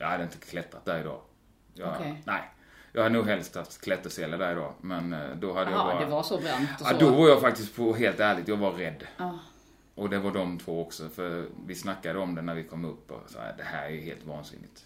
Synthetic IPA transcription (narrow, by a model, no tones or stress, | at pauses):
jɑ̰had̪əɪnt̪əkʰlɛt̪ɾat̪̚d̪æɾɪd̪ɑ̰ː | jɑnɛɪ | jɑːhad̪ənuːɡɦɛlst̪ʰaft̪kʰlɛt̪ːəʂɛlːəd̪æɾɪd̪ɑːmɛnd̪ɔhad̪ːəjaɾdɛvasɔbɾɛntd̪ɔvaɾjɑfak̚t̪ɪst̪̚pʰɔɦeːlt̪æːɭɪɡ̚t̪jɑːɡvaːɛd̪ː | ʔɔd̪ɛvaɖɔmt̪ʰvoːɔksɔfœɾvɪsnakːad̪əɔmd̪ɛnæɾvɪkʰɔmːɵpːɔ̰sɑ̰ːa̰d̪ɛhæ̰ːɾæjɵɦḛːlt̪vɑ̰ːnsɪ̰nːɪ̰t̪